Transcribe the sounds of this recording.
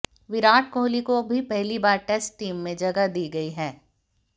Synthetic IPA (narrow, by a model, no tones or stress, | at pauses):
ʋɪɾaːʈʰkoːlikobʱipɛɦlibaːɾʈeːsʈʈiːmːẽd͡ʒɐɡad̪iːɡɐiɦɛː